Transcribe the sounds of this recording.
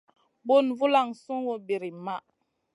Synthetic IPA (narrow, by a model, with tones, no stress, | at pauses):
bo˦˨nvu˦la˨ŋsu˦ŋwo˦bi˨ɾi˨ma˦